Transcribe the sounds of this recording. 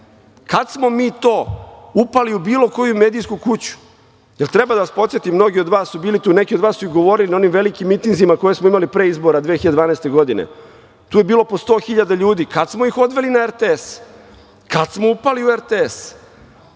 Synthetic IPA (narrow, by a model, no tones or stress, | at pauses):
kad̪smo̞miːt̪o̞ːupaliubiːlo̞ko̞jumeːd̪ijskukut͡ɕu̥ | je̞lt̪ɾebad̪aʋaspo̞t̪sjet̪imːno̞ɡio̞d̪ʋaːsːubiːlit̪uːne̞kiod̪ʋaːsuiɡo̞ʋo̞ɾilino̞nimʋe̞likimːit̪iŋɡzimako̞je̞smoimalipɾeizbo̞ɾad̪ʋexiad̪ed̪ʋaːnaest̪e̞ɡo̞d̪inḛ | t̪uːje̞biːlˠo̞post̪o̞ːxiʎad̪aʎuːd̪ikad̪smo̞ixo̞d̪ʋe̞linaeɾt̪ees | kad̪smo̞upaliueɾt̪ees